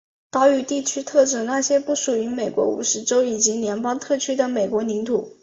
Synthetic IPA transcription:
t̪ɑ˥ʊy˧t̪i˥˩t͡ɕʰy˥t̪ʰɤ˥˩ʈ͡ʂɤ˥˩na˥˩ɕjɛ˥pu˥˩ʂu˨˩y˧˥me˨˩ɪkwɔ̰˧˥ṵ˨˩ʂɻ̩˧˥ʈ͡ʂo˥ʊi˨˩t͡ɕi˧˥njɛ˧˥npɑ˥ŋt̪ʰɤ˥˩t͡ɕʰy˥d̪ə˨me˨˩ɪkwɔ˧˥ni˧˥ŋt̪ʰu˨˩˦

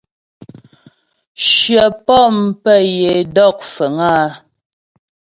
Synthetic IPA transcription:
ʃɥɛ˨pɔ˦˨mpɛ˦˨je˨dɔ˦˨k̚fə˨ŋaː˦

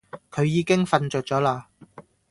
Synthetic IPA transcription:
kʰɵ˨˧ɥjiː˨˧kɪ˥ŋfɐ˨nt͡ʃɵː˨t̚t͡sɔː˨˥laː˧

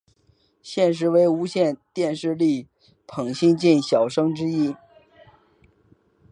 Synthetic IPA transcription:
ɕjɛ˥˧nʂ̬ɻ̩˧˥we˧˥ɪu˧˥ɕjɛ˥˧nt̪jɛ˥˧nʂɻ̩˥˧li˥˩ | pʰɤ˨˩ŋɕi˥ŋt͡ɕi˥˩nɕjɑ˨˩ʊʂɤ˥ŋʈ͡ʂɻ̩˥i˥

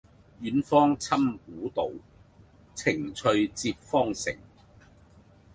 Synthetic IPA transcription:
jyː˨˥nfɔː˥ŋt͡sʰɐ˥mkuː˨˥t̪o˨w | t͡sʰɪ˨˩ŋt͡ʃʰɵ˧ɥt͡siː˧p̚fɔː˥ŋsɪ̰˨˩ŋ

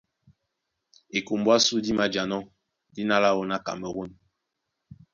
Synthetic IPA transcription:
e˨ku˨m˨bwa˦su˦di˦ma˦d͡ʒa˨nɔ˦ | di˦na˦la˦wo˦na˦ka̰˨mə˨ɣo˦˨n

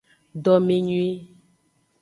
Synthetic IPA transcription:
ɖɔ˨me˨ɲũ˦e˦

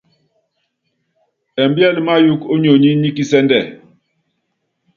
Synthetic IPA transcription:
ɛ˨mbjɛ˦˨lma˦ju˦ko˦ɲo˨ɲi˦ɲi˦ki˦sɛ˦ndɛ˨

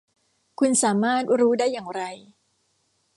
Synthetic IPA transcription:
kʰu˧nsaː˩˦maː˥˩t̪̚ɾuː˦˥daː˥˩jːaː˨˩ŋɾa˧j

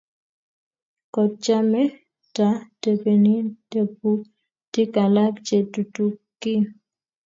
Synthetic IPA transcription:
kɔ˨t̚t͡ʃa˦mɛ˦ | ta˨te˨pe˨ni˦d̥e˨p̚u˦ | tɪ˦ka˨la˦kt͡ʃe˨tu˨tu˨kːi˦

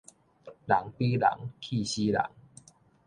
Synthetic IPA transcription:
la˨˦ŋpi˦la̰˨˩˦ŋkʰi˥˧ɕi˦la̰˨˦ŋ

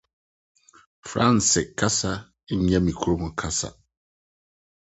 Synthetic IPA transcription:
fɾã˦n˨sɪ˨kʰa˦sa˦ | ɲɛ̃˦mĩ˨kʰu˦ɾo˦mʊ̃˨kʰa˦sa̰˨

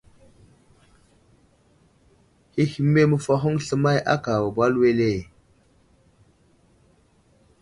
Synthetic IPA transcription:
hi˦hi˦me˦mə˨fa˦ɦu˦ŋɬə˦ma˦jʔa˦ka˨wa˨ba˦lwe˦le˦˨

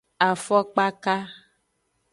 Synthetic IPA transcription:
a˨fɔ˦k͡pa˦ka˦

